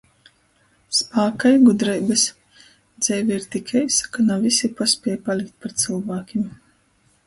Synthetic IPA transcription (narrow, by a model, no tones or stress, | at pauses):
spaːkajɡud̪ɾɛjbɨs | d̪z̥ɛjvʲiiɾt̪ikʰajsḁkanavisʲipasʲpʲɛjpalʲik̚t̪̚ʲpaɾt̪silˠvaːkʲim